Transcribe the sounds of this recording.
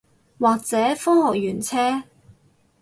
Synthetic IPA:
waː˨k̚t͡sɛː˨˥fɔː˥ŋhɔː˨k̚jyː˨˩nt͡sʰɛː˥

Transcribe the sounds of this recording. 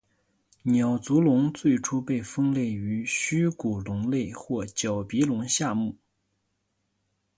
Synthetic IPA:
njɑ˨˩ʊt͡su˧˥lʊ˧˥ŋt͡swe˥˩ɪʈ͡ʂʰu˥pe˥˩ɪfɤ˥ŋlje˥˩ɪy˧˥ɕy˥ku˨˩lʊ˧˥ŋle˥˧ɪxwɔ˥˩t͡ɕjɑ˨˩ʊpi˧˥lʊ˧˥ŋɕja˥˧mu˥˩

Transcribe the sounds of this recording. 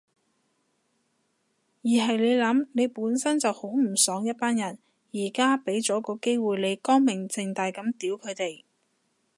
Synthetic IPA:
jiː˨˩ɦɐ˨jle˨˧jlɐ˨˥mne˨˧jpuː˨˥nsɐ˥nt͡sɐ˨who˨˥wm̩˨˩sœː˨˥ŋjɐ˥t̚paː˥njɐ˨˩n | jiː˨˩kaː˥pe˨˥jt͡sɔː˨˥kɔː˧ke˥jwuː˨jle˨˧jkɔː˥ŋmɪ˨˩ŋt͡sɪ˨˧ŋt̪aː˨jkɐ˨˥mt̪iː˨˥wkʰɵ˨˧t̪e˨j

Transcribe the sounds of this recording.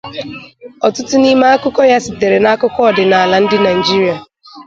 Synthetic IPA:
ɔ˨tʊ˦tʊ˦ni˦ma˦a˦kʊ˦kɔ˦ja˦si˨te˨ɾe˨na˦kʊ˦kɔ˦ɔ˨dɪ˨na˨a˨la˨n̩˦dɪ˦na˨d͡ʒi˦ɾi˨˦a˨

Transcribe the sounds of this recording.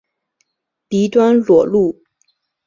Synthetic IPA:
pi˧˥t̪wa˥nlwɔ˨˩lu˥˩

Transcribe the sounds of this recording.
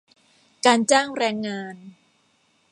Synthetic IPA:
kaː˧nt͡ɕaː˥˩ŋɾɛː˧ŋːaː˧n

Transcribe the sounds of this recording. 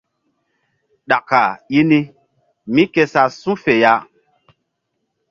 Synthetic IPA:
ɗa˨ka˨ji˦ni˦ | mĩ˦ke˧sa˨sũ˦fe˨ja˦

